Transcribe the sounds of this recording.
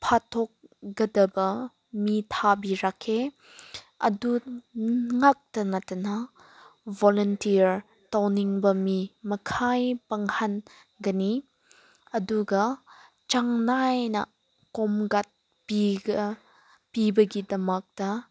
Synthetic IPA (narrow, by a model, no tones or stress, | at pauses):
pʰat̪ʰɔk̚ɡɐdɐbɐ | mitʰabiɾakʰːe | ɐdu | ŋak̚tɐnɐtɐnɐ | vɔlɔntiɾ | tawniŋbɐmimɐkʰajpɐŋhɐn | ɡɐni | ɐduɡɐ | t͡ʃaŋnajnɐ̰ | kɔmɡɐt̚ | piɡ | pibɐɡidɐmɐk̚d̥ɐ